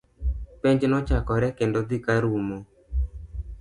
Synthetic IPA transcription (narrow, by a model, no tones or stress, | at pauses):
peɲd͡ʒnɔt͡ʃakɔɾɛkendod̪ikaɾumo